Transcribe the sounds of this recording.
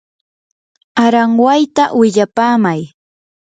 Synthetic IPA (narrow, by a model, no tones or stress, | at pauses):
aɾaŋwajt̪awɪʎapaːmaj